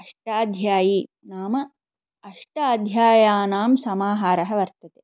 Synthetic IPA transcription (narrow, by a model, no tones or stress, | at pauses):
ɐʂʈaːd̪ʱjaːji | naːmɐ | ɐʂʈaːd̪ʱjaːjaːnaːmsɐmaːɦaːɾɐɦɐʋɐɾt̪ɐt̪eː